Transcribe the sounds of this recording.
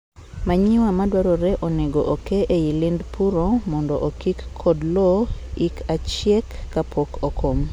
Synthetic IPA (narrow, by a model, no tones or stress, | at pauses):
maɲɪwamadwaɾoɾɛʔoneɡoʔokeʔeilɪndpʰuɾomɔndɔʔokikʰːɔdlɔikʰat͡ʃjɛkːapʰokokʰom